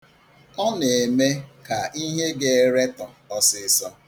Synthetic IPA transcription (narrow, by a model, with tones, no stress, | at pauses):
ɔ˦ne˨me˦ka˨i˦ɦe˦ɡe˨e˦ɾe˦tɔ˨ɔ˦sɪ˨˦sɔ˦